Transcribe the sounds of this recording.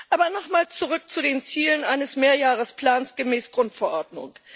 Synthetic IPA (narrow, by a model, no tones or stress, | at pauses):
ʔaːbɐnɔχmaːlt͡suʁʏk̚t͡sudeːnt͡siːlənʔaɪnəsmeːɐjaːʁəspl̥aːnsɡ̥əmɛːsɡ̥ʁʊntfɛɐʔɔɐdnʊ̰ŋ